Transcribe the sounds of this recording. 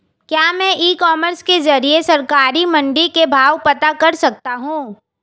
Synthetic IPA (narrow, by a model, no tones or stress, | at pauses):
kjaːmɛ̃ʔiːkɔːməɾskezɐɾiesɐɾkaːɾimɐ̃ɳɖikebʱaːʋpɐt̪akɐɾsɐk̚t̪aɦũː